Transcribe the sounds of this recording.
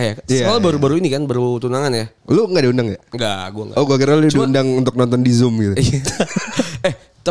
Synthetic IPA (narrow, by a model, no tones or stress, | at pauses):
hjajəakalabaɾubaɾuinikanbaɾut̪unaŋanja | luŋɡadiundaŋjaŋɡaɡuaŋɡa̰ʔoɡuakiraluaiundaŋunt̪ʊk̚nɔnt̪ɔndizʊmɡit̪ui | ɛh | t̪ə